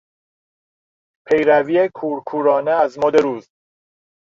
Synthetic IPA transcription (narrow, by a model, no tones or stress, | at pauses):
pʰejɾæviekʰuːɾkʰuːɾɒːneæzmod̪eɾuːz